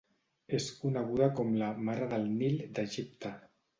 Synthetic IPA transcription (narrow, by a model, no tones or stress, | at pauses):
eskunəɣ̞uðakɔmlamaɾaðəlˠnild̪əʒip̚t̪a